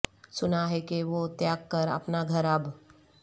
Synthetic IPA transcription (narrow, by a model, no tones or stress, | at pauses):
sʊnaɦekeʋot̪jaɡ̚kəɾa̰pnaɡʱəɾab